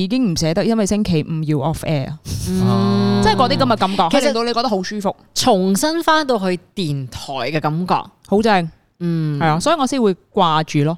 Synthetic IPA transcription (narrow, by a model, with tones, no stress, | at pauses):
iː˨˧kɪ˥ŋm̩˨˩sɛː˨˥t̪ɐ˥k̚jɐ˥nwɐ˨jsɪ˥ŋkʰe˨˩jm̩˨˧ji˧wʔɔ˥fɛː˥ɐ̰˨˧˨ | t͡sɐ˥˨kɔː˧t̪iː˥kɐ˨˥mjɐ˧t̚kɐ˨˥mkɔː˧khkʰːeɵ˧˨lɪsŋt̪o˧wle˧kɔ˧t̪ɐ˥ho˨˧˥wsyː˥fʊ˨k̚t͡sʰʊ˨˩ŋsɐ˥nfaː˥nt̪o˧wɦɵ˧t̪iː˨nt̪ʰɔː˨˩jkɛː˧kɐ˨˥mkɔ̰ː˧k̚ho˨˥wt͡sɛ˥ŋ̩ː˨ | ɐ˨jaː˧sɔː˨˥jiː˨˩ŋɔ˨˧siː˥wuː˨˧jkwaː˧t͡ʃyː˨lɔː˥